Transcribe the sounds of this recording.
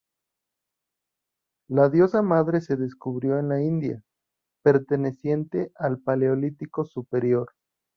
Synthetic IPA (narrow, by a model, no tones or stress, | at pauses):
laðjo̞samaðɾe̞se̞ðe̞skuβɾjo̞e̞nlaind̪ja̰ | pe̞ɾt̪e̞ne̞sje̞nt̪e̞ʔalpaleolit̪iko̞supe̞ɾjo̞ɾ